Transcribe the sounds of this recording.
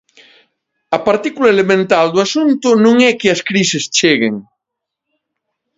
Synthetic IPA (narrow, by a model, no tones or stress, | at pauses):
ɐpaɾt̪ikulɐelemẽnt̪ald̪oasunt̪ʊnõŋɛkɪɐskɾisest͡ʃeɣḛŋ